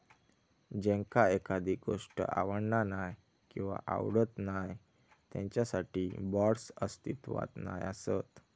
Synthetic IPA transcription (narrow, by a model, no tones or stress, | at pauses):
d͡ʑɛ̃ŋkaekad̪ʱiɡoʂʈə̰ʔa̰ʋəɳnanaj | kĩw̃ʋa̰ʔa̰wɽət̪naj | t̪jɛ̰̃ɲt͡ɕjasaʈiːbɔɽsəst̪it̪ʋa̰t̪na̰jasət̪